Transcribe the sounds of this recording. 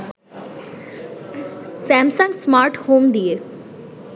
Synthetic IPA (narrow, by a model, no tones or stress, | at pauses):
sɛmsãŋɡsmaːɾʈhoːmd̪ije